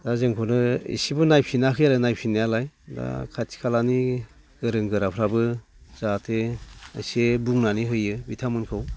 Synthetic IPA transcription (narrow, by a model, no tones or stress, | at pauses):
d̥azɯŋkʰɔnɯḭsibɯnajpʰinaɦʰɯjalɯnajpʰinːajalajda̰kʰatʰi̥kʰalani | ɡ̥ɯɾɯŋɡɯɾapʰɾabɯ | z̥atʰeə̰sebuŋnaniɦɯjɯbitʰamɯnkʰɯw